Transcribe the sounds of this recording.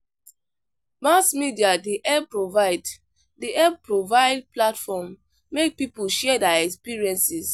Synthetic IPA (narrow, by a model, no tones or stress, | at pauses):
masmidiadiʔɛb̚pɹovaɪd | diʔɛb̚pɹovaɪd̚platfɔmː | ek̚pipuʃɛdɛɛkspiɹiɛ̃nsis